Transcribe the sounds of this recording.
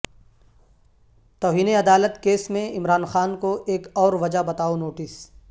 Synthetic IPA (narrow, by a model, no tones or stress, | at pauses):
t̪ɔːɦiːneɐd̪aːlət̪keːsmẽɪmɾaːnxaːnkoʔeːkɔːɾʋɐd͡ʒabɐt̪aːonoːʈɪs